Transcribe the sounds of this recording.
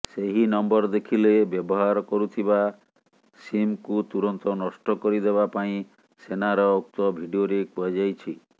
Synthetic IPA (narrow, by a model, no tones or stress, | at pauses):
seɦinɔmbɔɾd̪ekʰilebjɔbɔɦaɾɔkɔɾut̪ʰiba | simkut̪uɾɔnt̪ɔnɔsʈɔkɔɾid̪eβapaĩ | senaɾɔuk̚t̪ɔbʱiɖioɾekɔad͡ʒajt͡ʃʰi